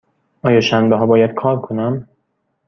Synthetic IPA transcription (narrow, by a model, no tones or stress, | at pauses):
ʔɒːjɒːʃænbeɦɒːbɒːjæd̪̥̚kʰɒːɾkʰonæm